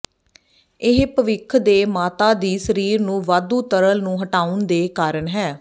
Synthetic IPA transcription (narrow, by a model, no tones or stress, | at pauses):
ɪɦpəʋɪkʰd̪eːmaːt̪aːd̪iːsəɾiːɾnũːʋaːd̪ũːt̪əɾəlnũːɦəʈaːʊnd̪eːkaːɾəɳɦɛː